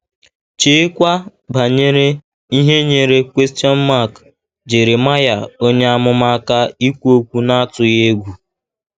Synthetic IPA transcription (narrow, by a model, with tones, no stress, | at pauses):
t͡ʃe˦kʷa˦ | ba˨ɲe˦ɾe˦ | i˦ɦe˦ɲe˨ɾe˦kʷe˦sti˦ɔ˦n˦ma˦˨k | d͡ʒe˨ɾe˨ma˦ja˨o˦ɲe˦a˦mʊ˦ma˦ka˦i˦kʷu˦o˦kʷu˦na˦a˦tʊ˨je˦ɡʷu˨